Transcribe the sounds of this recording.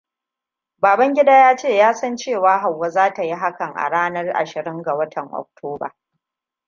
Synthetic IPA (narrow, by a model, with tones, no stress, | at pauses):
baː˨bɐ˦ŋɡʲɪ˦daː˦jaː˦t͡ʃeː˦˨jaː˦sɐ˦nt͡ʃeː˦˨waː˦ɦa˨wːa˦zaː˦ta˨ji˦ɦa˦kɐ˨ŋʔa̰˨ɽaː˦nɐ˦rʔa̰˨ʃɪ˨ɾɪ˦ŋɡa˨wɐ˦tʰɐ˨ŋʔɔ̰˨k̚tʰoː˦ba̰ː˨